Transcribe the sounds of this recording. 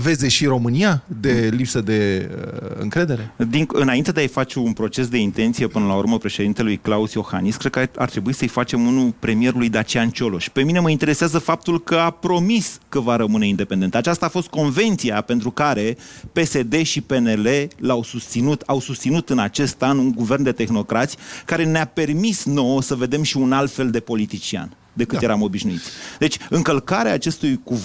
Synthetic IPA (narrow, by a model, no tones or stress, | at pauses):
ve̞zd̪eʃiɾo̞mɨniad̪e̞lipsəd̪e̞ | ɨ̰ŋkɾe̞d̪e̞ɾed̪iŋkɨnaint̪e̞d̪eajfat͡ʃe̞unpɾo̞t͡ʃe̞s̬d̪e̞int̪e̞nt̪sije̞pɨnəlaṵɾməpɾe̞ʃed̪int̪e̞lujklausjo̞xa̰niskɾeka̰rt̪ɾe̞buisəɨjfat͡ʃe̞munulpɾe̞mije̞ɾulujd̪at͡ʃiant͡ʃo̞lo̞ʃpe̞mine̞məint̪e̞ɾe̞seazəfap̚t̪ulkəapɾo̞miskəvaɾəmɨne̞ind̪e̞pe̞nd̪e̞nt̪at͡ʃast̪aːfost̪̚ko̞nve̞nt̪siape̞nt̪ɾukaɾe̞pe̞se̞d̪e̞ʃipe̞ne̞le̞lawsust̪sinut̪awsust̪sinut̪ɨnat͡ʃe̞st̪anuŋɡuvernd̪e̞t̪e̞xno̞kɾat̪sʲjkaɾe̞neape̞rmisno̞wosəve̞d̪e̞mʃiunalt̪fe̞ld̪e̞po̞lit̪it͡ʃia̰n | d̪e̞kɨt̪je̞ɾamo̞biʃnuit̪sʲd̪e̞t͡ʃʲɨŋkəlkaɾeaːt͡ʃe̞st̪ujku